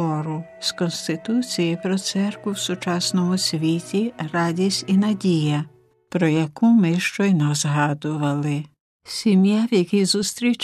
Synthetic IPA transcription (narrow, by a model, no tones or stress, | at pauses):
ɔɾʊskɔnst̪ɪt̪ut͡sʲijipɾɔt̪sɛrkʋʊwsʊt͡ʃɑsnɔmʊsʲʋʲitʲirɑdʲisʲtʲinɐdʲijɐ | pɾɔjɐkumɪʃt͡ʃɔjnɐzɦɑd̪ʊʋɐlˠɪ | sʲimjawjɐkʲizust̪ɾʲit͡ʃ